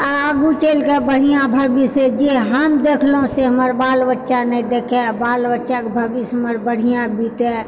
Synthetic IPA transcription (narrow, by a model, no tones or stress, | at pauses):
aːɡut͡ʃeːlkebəɽ̤ijãbʱaːbised͡ʒeɦəmd̪eːkʰlõseɦəməɾbaːlbətːʃanɛ̃d̪eːkʰebaːlʋətːʃakebʱaːbisəməɾbəɽ̤ijãbiːt̪ɛ̃